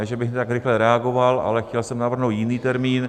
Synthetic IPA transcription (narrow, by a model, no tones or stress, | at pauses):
ɛʒɛbɪxt̪akɾɪxlɛɾɛaɡo̞valʔa̰lɛxcɛlsɛmnavr̩ɦnowt̪jɪniːt̪ɛɾmiːn